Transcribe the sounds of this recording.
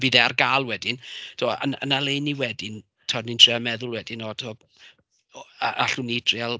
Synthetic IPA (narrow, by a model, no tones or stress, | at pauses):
viðɛarɡaːlˠwɛdɪntʰoːə̰nə̰nalˠejniwɛdɪn | tʰɔnintʰrɪamɛðʊlˠwɛdɪnɔtʰɔ | aʔaɬunidʰrɪalˠ